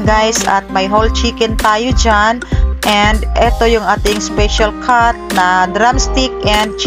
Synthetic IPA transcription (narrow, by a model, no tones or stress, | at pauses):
ɡajsɐ̰t̪̚majɦolt͡ʃiːkɛnt̪aːjod͡ʒanʔɛnd̪ʔɛt̪o̞jʊŋʔaːt̪ɪŋspɛʃalkʰaɹt̪̚nɐd̪ɾamst̪ɪkʔɛnd̪̚t͡ʃ